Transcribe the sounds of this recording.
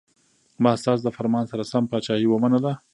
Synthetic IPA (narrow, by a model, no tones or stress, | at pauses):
mɑst̪ɑs̬d̪əfaɾmɑnsaɾasampɑt͡ʃɑhiwəmanad̪a